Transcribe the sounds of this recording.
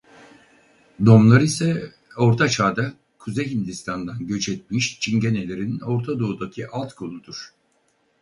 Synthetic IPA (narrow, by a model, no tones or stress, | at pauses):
d̪o̞mlˠaɾisɛ | o̞ɾt̪ʰat͡ʃʰaːd̪a | kʰuzeɦind̪ist̪ʰand̪anɟø̞t͡ʃʰɛt̪̚miʃt͡ʃʰiɲɟene̞lʲe̞ɾino̞ɾt̪ʰad̪oːd̪acʰiʔalˠt̪kʰolˠud̪uɾ̥